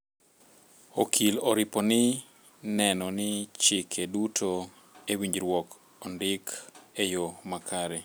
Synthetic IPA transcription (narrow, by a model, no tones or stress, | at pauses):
okʰiloɾɪponɪ | nɛnɔnɪt͡ʃɪkʰedutʰo | ewiɲd͡ʒɾwɔk | ondɪkejomakʰaɾɛ